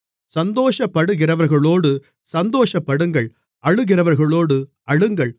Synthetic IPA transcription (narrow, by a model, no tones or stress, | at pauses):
sɐnd̪oːʂɐpːɐɽɯɣɪɾɐʋɐɾɣɐɭoːɽɯ | sɐnd̪oːʂɐpːɐɽɯŋɡɐɭ | ɐɻɯɣɪrɐʋɐɾɣɐɭoːɽɯ | ɐɻɯŋɡɐɭ